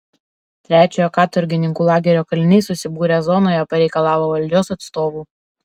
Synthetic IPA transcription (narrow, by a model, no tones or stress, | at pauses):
t̪ʲɾʲæːt͡ʃʲoːjokɑːt̪ɔɾʲɡʲɪnʲɪŋkuːlˠɑːɡʲɛɾʲoːkɐlʲɪnʲɛɪsʊsʲɪbuːɾʲeːzɔnoːjɛpɐɾʲɛɪkɐlˠɑːʋoːʋɐlʲd͡ʒʲoːsɐt̪st̪oːʋuː